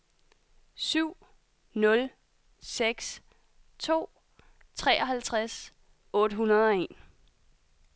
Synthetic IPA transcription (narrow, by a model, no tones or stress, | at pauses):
syʊ̰ | nɔ̽l | seɡ̥s | t͡sʰo̝̰ː | t͡sʰʁɛːʔɒ̽ɦælt͡sʰʁas | ɔ̽ːɾ̥əɦunɐðˠɒ̽e̝̰n